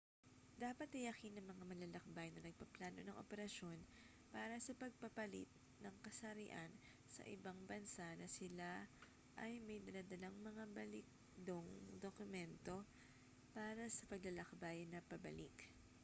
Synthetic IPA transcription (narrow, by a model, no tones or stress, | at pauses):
d̪aːpɐt̪ɐjɐkinɐŋmɐŋamɐlɐlɐk̚bajnɐnɐɡ̚pɐplaːno̞nɐŋʔo̰pɛɾɐʃo̞n | paːɾɐsɐpɐɡ̚pɐpɐlḭt̪̚ | nɐŋkɐsɐɾɪʔan | sɐ̰ʔɪ̰baŋbɐnsanɐsɪla | ʔɐjmɐjd̪ɐlad̪ɐlaŋmɐŋabɐlɪk̚ | d̪oŋd̪okʊmɛnt̪o̞ | paːɾɐsɐpɐɡ̚lɐlɐkbajnɐpɐbɐ̰lik